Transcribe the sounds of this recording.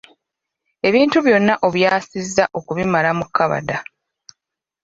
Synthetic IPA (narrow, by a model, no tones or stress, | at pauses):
e̞βiːntuβjo̞nːaʔoβjaːsizːaʔo̞kuβimalamukːaβa̰da